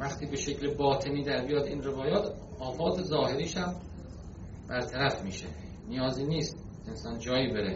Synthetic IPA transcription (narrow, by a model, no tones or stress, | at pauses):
væχt̪ʰiːbe̞ʃe̞clebɒːt̪ʰe̞niːd̪æɾbijɒːd̪iːnre̞vɒːjɒːt̪ | ɒːfɒːt̪ʰezɒːhe̞ɾiːʃæm | b̥æɾt̪ʰæɾæfmiːʃḛ | nijɒːziːniːst̪ | ensɒːnd͡ʒɒːjiːbeɾe